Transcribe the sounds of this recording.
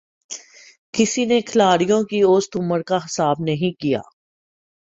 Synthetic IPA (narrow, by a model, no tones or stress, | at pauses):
kɪsinekʰɐlaːɾijõkioːst̪ʊməɾkaɦɪsaːbnɐɦĩkija̰ː